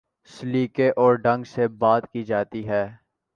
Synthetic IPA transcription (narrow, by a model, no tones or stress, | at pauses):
sliːkeʔɔːɾɖɐ̃ŋɡsebaːt̪kid͡ʒaːt̪iɦɛː